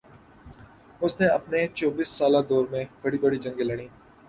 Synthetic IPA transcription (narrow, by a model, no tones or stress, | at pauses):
ʊsneɐpnet͡ʃɔːbiːsːaːlad̪ɔːɾmẽb̥ɐɽibɐɽid͡ʒɐ̃ŋɡelɐɽ̃ĩː